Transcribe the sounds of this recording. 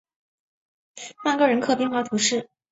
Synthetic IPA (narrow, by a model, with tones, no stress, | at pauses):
pa˥˧kɤ˥˩ɻə˧˥nkʰɤ˥˩pi˥˧ŋxwɑ˧˥t̪ʰu˧˥ʂɻ̩˥˩